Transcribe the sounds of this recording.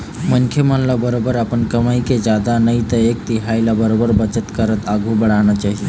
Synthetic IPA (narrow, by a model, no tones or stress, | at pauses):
mənkʰemənlabəɾobəɾapənkəmaiked͡ʒad̪anait̪əek̚t̪iɦajlabəɾobəɾbət͡ʃət̪kəɾət̪aɡʱubəɽ̤añat͡ʃaɦie